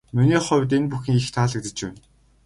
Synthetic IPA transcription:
miniːχɔwʲt̪̬enpuxĭŋixt̪ʰaːɮə̆k̚t̪ɘ̆t͡ɕpæ̰n

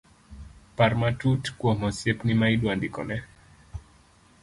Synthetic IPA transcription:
parmatutkwomɔsjepnimaidwandikɔ̰nɛ

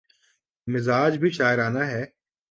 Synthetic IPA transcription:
mɪzaːd͡ʒbʱiʃaːɪɾaːnaɦɛː

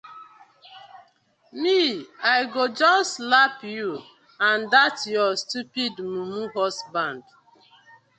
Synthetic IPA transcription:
miajɡod͡ʒɔslapju | ãndatjɔstupidmumuɦɔsbãnd

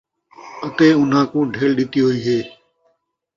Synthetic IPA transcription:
ət̪eːʊnɦãːkũːɖʱeːɭɗɪt̪iːɦoiːɦeː

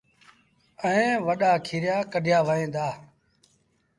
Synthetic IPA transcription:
əẽːʋəɗaːkʰiːɾɪjaːkəɖʱjaːʋəẽːnd̪aː

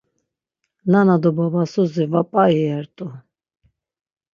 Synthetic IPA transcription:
nanad̪ɔbabasuzivapʼaiɛɾt̪ʼu

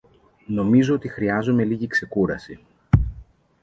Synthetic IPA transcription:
no̞mizo̞ot̪ixɾiɐzume̞liʝikse̞kuɾɐsi

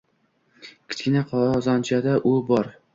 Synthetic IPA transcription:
kʲʰɪ̥t͡ʃʲkʲɪnaqʰɒɒzɒnt͡ʃʰad̪aʔʊbɒɾ

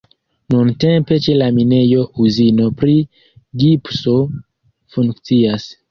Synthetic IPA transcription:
nuntempe̞t͡ʃe̞lamine̞jo̞uzinopɾi | ɡipso | fuŋkt͡sias

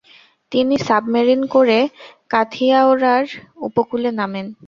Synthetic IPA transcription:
t̪inisabmaɾinkoɾekat̪ʰiaoɾaɾṵpokulenamen

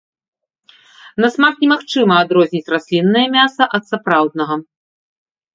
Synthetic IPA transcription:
nɐsmaxnʲɛmaxt͡ʂɨmɐad̪ɾɔzʲnʲit͡sʲrasʲlʲinːɐjɐmʲasɐʔɐt̪sapɾawd̪nɐɣɐ

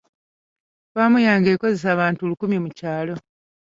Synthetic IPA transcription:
βaːmujaːŋɡeːko̞ze̞s̬aːβaːntuolukumjimucaːlo̞

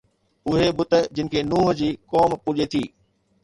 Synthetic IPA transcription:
ʊɦebʊt̪ə̆d͡ʑɪnɪ̆kʰeːnuːɦə̆d͡ʑiːkɔːmpʊʄet̪ʰiː

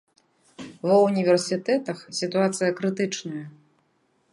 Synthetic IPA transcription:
vɐunʲivʲɛrsʲit̪ɛt̪ɐxsʲit̪uat̪sɨjɐkɾɨt̪ɨt͡ʂnɐjɐ

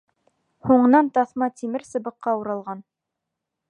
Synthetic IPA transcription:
huɴ̆nɑnt̪ɑθmɑt̪imɘɾsɤ̆bɤ̆qːɑuɾɑlˠʁɑn

